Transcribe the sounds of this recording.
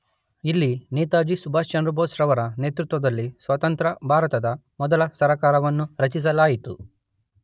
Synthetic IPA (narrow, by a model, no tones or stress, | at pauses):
ilːineːt̪aːd͡ʒisubʱaːst͡ʃɐnɾɐbʱoːsɾɐʋɐɾɐneːt̪ɾut̪ʋɐd̪ɐlːisʋɐt̪ɐnt̪ɾɐbʱaːɾɐt̪ɐd̪ɐ | mɔd̪ɐlɐsɐɾɐkaːɾɐʋɐnːuɾɐt͡ʃis̬ɐlaːjit̪ṵ